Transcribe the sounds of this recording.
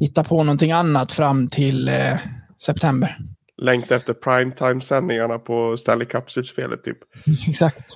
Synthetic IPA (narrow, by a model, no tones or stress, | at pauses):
hɪt̪ːapʰɔnɔnt̪ɪŋːanːat̪fɾamːt̪ʰɪl | sɛp̚t̪ʰɛmbəɾ | lɛŋkt̪ɛft̪əɾpʰɾajmt̪ʰajmsɛnːɪŋaɳapʰɔst̪ɛlːɪkʰapːsʉt̪spḛːlʔə̰t̪ʰːy̰ːpɛksakt̪